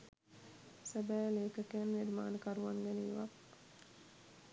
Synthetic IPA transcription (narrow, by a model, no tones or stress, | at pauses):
sæbæːleːkəkænʋeɾimaːnəkaɾuʋaŋɡɛniiʋa̰k